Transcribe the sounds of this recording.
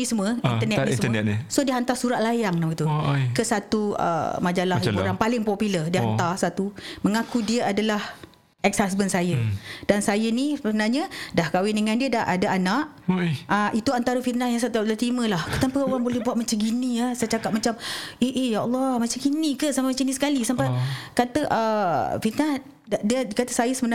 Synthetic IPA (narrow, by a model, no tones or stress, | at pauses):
nisəməinənɛtnismɛsodiəɦant̪asuɾaʔ̪̚lajaŋdamɡt̪ukəsat̪uə̰mad͡ʒalahbuɾaŋpalɪŋpɔpilərdiəhantt̪arsat̪uməŋakudiəadalah | ʔɛksas̬bənsajəd̥ansajənisbənarɲadahkawɪndəŋãndiədaʔadaʔanaʔ | əʔit̪uant̪aɾəfit̪̚nahjaŋsat̪alat̪ɾiməlahkət̪ampəoɾaŋbolɛhbuat̪̚mat͡ʃaɡiniəsajt͡ʃakap̚mat͡ʃameʔejaɔlˠːɔhmat͡ʃaɡinikəsamamat͡ʃanisə̥kalisampakat̪əʔəfit̪nah | diəkat̪əsajəsəbəna